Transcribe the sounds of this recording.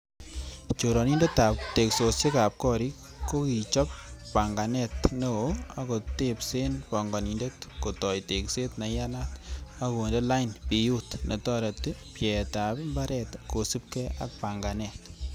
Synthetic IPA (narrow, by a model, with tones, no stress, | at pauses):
t͡ʃo˨ɾɔ˨ni˦nde˦ta˨p̚te˨kso˨se˦ka˨p̚kɔ˦ɾi˦k | kːo˦ki˨t͡ʃɔ˦p̚pa˨ŋɡa˨nɛtne˦oa˦ko˨tepse˦npɔ˨ŋɡɔ˨ni˨nde˦tko˨tɔ˨jte˨kse˦tna˨ja˦na˦ta˦ko˨nde˦la˦jnpi˨ju˦tnʔe˨tɔ˦ɾe˨tpjɛ˨ta˨pmba˦ɾɛ˨tko˨si˦p̚kɛ˦a̰˨k̚pa˨ŋɡa˨nɛt